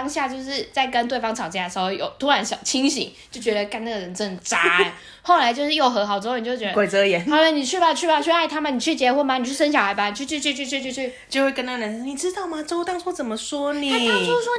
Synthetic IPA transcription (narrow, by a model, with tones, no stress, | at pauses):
ŋɕja˥˧t͡ɕjo˥˧ʊʂɻ̩˥˩t͡sa˥˩ɪkə˧˥nt̪we˥ɪɑ˥ŋʈ͡ʂʰɑ˨˩ʊt͡ɕja˥˩d̪ə˩ʂɻo˥˩ʊjo˨˩ʊt̪ʰu˥ɻa˧˥nɕjɑ̰˨˩ʊt͡ɕʰi˥ŋɕḭ˨˦ŋ | jo˥˩ʊt͡ɕɥɛ˧˥d̪ə˧ka˥˧na˥˩ə˩ɻə˧˦nʈ͡ʂɤ˥˩ŋʈ͡ʂa̰˥˧ | xo˥˩ʊla˧˥ɪt͡ɕjʂɻ̩˥˩jo˥˩ʊxɤ˧˥xɑ˨ʊʈ͡ʂːn˨˩t͡ɕjt͡ɕɛ˧kwe˨˩ɪɤ˧˦jɛ˧˦n˥˩la˧˥ni˨˩t͡ɕʰy˥˩ba˨˩t͡ɕʰy˥˩ba˨˩t͡ɕʰy˥˧a˥˩ɪt̪ʰa˥mə˨ni˨˩t͡ɕʰy˥˩t͡ɕjɛ˧˥xwɔ˥˩ma˧˨ni˨˩˥y˥˩ə˥n˥ɕjɑ˨˩˦xa˧˥ɪba˨˩˨t͡ɕʰy˥˧t͡ɕʰy˥˧t͡ɕʰy˥˧t͡ɕʰy˥˧t͡ɕʰy˥˧t͡ɕʰy˥˧ | t͡ɕjo˥˧ʊxwe˥˧ɪkə˥na˥˧˩nə˧˦n˩ni˨˩ʈ͡ʂɻ̩˥t̪ɑ˥˩ʊma˨˧ʈ͡ʂo˥ʊt̪ɑ˥˧ŋsʰwɔ˥˩t͡sə˨˩mə˦swɔ˥ni˥˩˥ɔ˥wɔ˥